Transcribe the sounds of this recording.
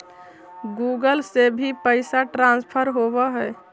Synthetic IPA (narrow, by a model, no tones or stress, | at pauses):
ɡuːɡəlsebʱipəɪsaʈɾãːnspʰəɾɦobaɦɛ